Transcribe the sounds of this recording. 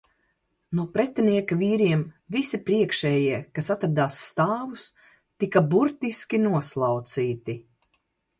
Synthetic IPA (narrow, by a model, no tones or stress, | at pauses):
nuɔpɾɛt̪ɛniɛkaviːɾiɛmvisipɾiɛkʃɛːjiɛkasat̪ɾad̪aːsːt̪aːvus | t̪ikabuɾt̪iskʲinuɔslˠawt̪siːt̪i